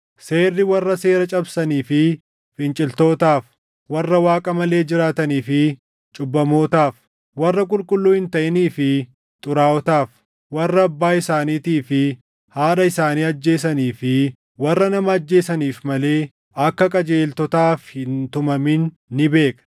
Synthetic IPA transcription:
se̞ːrːɪwɐrːɐse̞ːɾɐt͡ʃʼɐbsɐniːfɪ | fɪnt͡ʃʼɪlt̪o̞ːt̪aːf | wɐrːɐwaːkʼɐmɐle̞ːd͡ʒɪɾaːt̪ɐniːfɪ | t͡ʃʼʊbːɐmo̞ːt̪aːf | wɐrːɐkʼʊlkʼʊlːuːhɪnt̪ɐʔɪniːfɪ | t̪ʼʊɾaːɔt̪aːf | wɐrːɐːbːaːɪsaːniːt̪iːfɪ | haːᶑɐɪsaːniːɐd͡ʒːe̞ːs̬ɐniːfɪ | wɐrːɐnɐmɐːd͡ʒːe̞ːsɐniːfmɐle̞ː | ɐkːɐkʼɐd͡ʒeːlt̪ɔt̪aːfhɪnt̪ʊmɐmɪnː | ɪbe̞ːkʼɐ̥

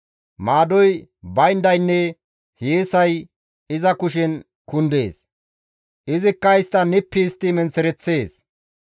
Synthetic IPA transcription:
maːd̪ɔjbɐjnd̪ɐjnːɛ | heːsɐj | ɪzɐkʊʃ̬ɛn | kʊnd̪e̞̰ːs | ʔɪzɪkːɐɪst̪ːɐnɪpːɪːst̪ːɪmɛnt͡sːɛɾɛt͡sːe̞ːs

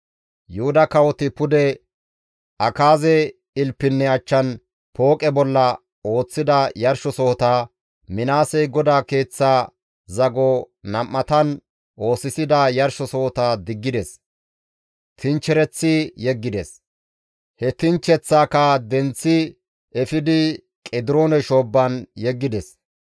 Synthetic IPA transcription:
jʊhʊd̪ɐkɐwɔt̪ɪpʊd̪ɛ | ɐkaːzɛ | ɪlpːɪnːɛɐt͡ʃːɐn | pʰo̞ːkʼɛbɔlːɐ | o̞ːt͡sːɪd̪ɐjɐɾʃɔsɔhɔt̪aː | mɪnaːsɛjɡɔd̪aːke̞ːt͡sːaː | zɐɡɔ | nɐmːɐt̪ɐn | ʔo̞ːsɪsɪd̪ɐjɐɾʃɔsɔhɔt̪aːd̪ɪɡːɪd̪ɛs | t̪ɪnt͡ʃːɛɾɛt͡sːɪjɛɡːɪd̪ɛs | hɛt̪ɪnt͡ʃːɛt͡sːaːkad̪ɛnt͡sːɪ | ɛfɪd̪ɪ | kʼɛd̪ɪɾo̞ːnɛʃo̞ːbːɐnjɛɡːɪd̪ɛs

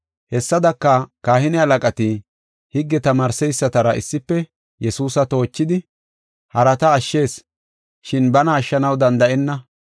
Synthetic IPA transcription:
hɛsːɐd̪ɐkːɐkaːhɪnɛɐlɐkʼɐt̪ɪ | hɪɡːɛt̪ɐmaːɾsɛjsːɐt̪ɐɾɐʔɪsːɪpːɛ | jɛsuːsɐt̪o̞ːt͡ʃːɪd̪ɪ | hɐɾɐt̪ɐːʃːe̞ːs | ʃɪnbɐnɐːʃːɐnɐwd̪ɐnd̪ɐʔɛnːɐ

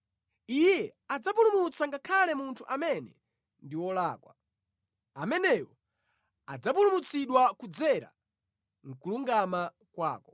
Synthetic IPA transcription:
ijɛad͡zapulumut͡saŋɡakʰalɛmuntʰuʔamɛnɛ̰ | ndiwɔlaːkwa̰ | amɛnɛjɔ | ad͡zapulumut͡siɗwakud͡zɛɾa̰ | ŋ̩kuluŋɡama | kwa̰ːkɔ

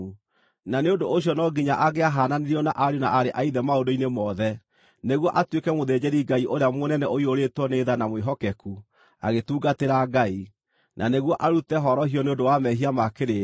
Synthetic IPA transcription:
naneondooɕjɔnɔɡiɲaʔaɣeaɦaːnaneɾiɔnaʔaɾjonaʔaɾeʔaiðɛmaondoinemɔðɛ | neɣwɔʔatwekɛmoðed͡ʑɛɾiɡaiʔoɾeamonɛnɛoioɾetwɔneðanamweɦɔkɛku | a̰ɣetuːɡateɾaɡai | nʔa̰neɣwɔʔaɾutɛɦɔɾɔhiɔneondowamɛɦiamakeɾe

